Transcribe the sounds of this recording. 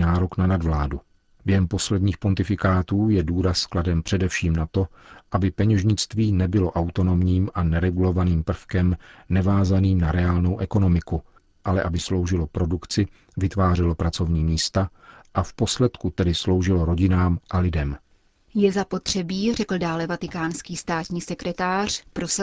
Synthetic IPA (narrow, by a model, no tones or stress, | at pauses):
naːɾoknanadvlaːdu | bjɛɦɛmpo̞slɛdɲiːxpo̞nt̪ɪfɪkaːt̪uːjɛduːɾaskladɛmpr̝̥ɛdɛfʃiːmnat̪o̞ʔabɪpɛɲɛʒɲɪt͡st̪viːnɛbɪlo̞ʔawt̪o̞no̞mɲiːmʔanɛɾɛɡulo̞vaniːmpr̩fkɛmnɛvaːzaniːmnaɾɛaːlno̞wʔɛko̞no̞mɪku | ʔalɛʔabɪslo̞wʒɪlo̞pɾo̞dukt͡sɪ | vɪt̪vaːrɪlo̞pɾat͡so̞vɲiːmiːst̪aʔafposlɛt̪kut̪ɛdɪslo̞wʒɪlo̞ɾo̞ɟɪnaːmʔalɪdɛm | jɛzapo̞t̪r̝̥ɛbiːrɛkl̩daːlɛvat̪ɪkaːnskiːst̪aːt̪ɲiːsɛkɾɛt̪aːr̝̥pɾos